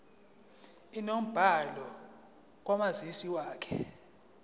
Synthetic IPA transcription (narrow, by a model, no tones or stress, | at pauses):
inom̩b̥ʱalɔ | k̬ʼwamazisiwaːkʰɛ̥